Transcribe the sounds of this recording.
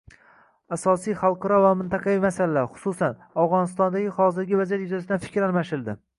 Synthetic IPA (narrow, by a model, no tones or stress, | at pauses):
asɒsijχɑlˠqʰɑɾɒvamɪnt̪ʰɑqʰɑvijmasalalaɾχʊ̥susanavʁɒnɪst̪ɒnd̪aɡʲɪχɒzɪɾɡʲɪvazijat̪jʊzasɪd̪anfɪ̥kʲɾalmaʃɪld̪ɪ